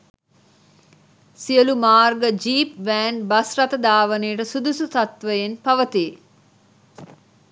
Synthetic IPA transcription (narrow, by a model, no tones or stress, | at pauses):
sijəlumaːrɡəd͡ʒiːpʋæːnbasrat̪əd̪aːʋəneːʈəsud̪usut̪at̪ʋəjenpaʋət̪i